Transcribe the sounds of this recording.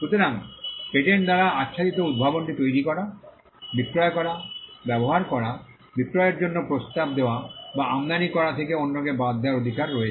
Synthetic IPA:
ʃut̪oɾaŋʃeʈeɾd̪aɾaatːʃʰadit̪oud̪̚bʱabonʈit̪ojɾikɔɾa | bikɾɔekɔɾabɛboɦaɾkɔɾa | bikɾɔjeɾd͡ʑonːopɾost̪ab̚d̪ewabaamd̪anikɔɾat̪ʰekeonːokebad̪ːaɾod̪ʱikaɾːɔee

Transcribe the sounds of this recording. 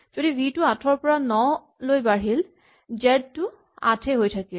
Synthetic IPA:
z̥odibʱitʊatʰɔɹpɔɹanɔ | lojbaɹil | zɛdtʊ | a̰tʰɛɦojtʰakil

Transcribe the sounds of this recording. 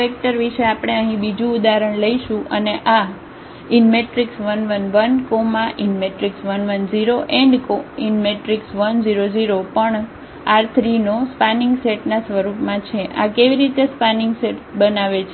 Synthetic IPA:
ek̚ʈəɾʋiʃeapəɽ̃eəɦĩbid͡ʒũud̪aɾəɳləiʃũʔəneʔa | inmeʈɾiksʋənʋənʋənkomãʔinmeʈɾiksʋənʋənziɾoʔeɳɖkoinmeʈɾiksʋənziɾod͡ʒiɾopəɳ | aɾt̪ʰɾinospanɪŋɡseʈnasʋəɾupmãt͡ʃʰeʔa̰keʋiɾit̪espanɪŋɡseʈbənaʋet͡ʃʰe

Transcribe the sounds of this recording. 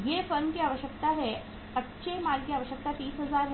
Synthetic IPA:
ɦefəɾnkiaʋəɕjəkt̪aɦe | ətːɕʰemaɾkiaʋəɕjək̚t̪at̪iːsɦəd͡zaɾɦ

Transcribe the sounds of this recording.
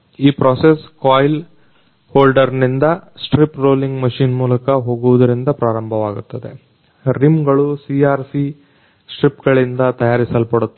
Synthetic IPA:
iːpɾoːseskaːjl | hoːlɖɐɾnind̪ɐsʈɾipɾoːliŋɡmɐʃiːnmuːlɐkɐɦo̞ːɡuʋɐd̪ɐɾind̪ɐpɾaːɾɐmbʱɐʋaːɡut̪ːɐd̪e̞̰ | ɾimɡɐɭusiaːɾsi | sʈɾipɡɐɭind̪ɐt̪ɐjaːɾisɐlpɐɽut̪ː

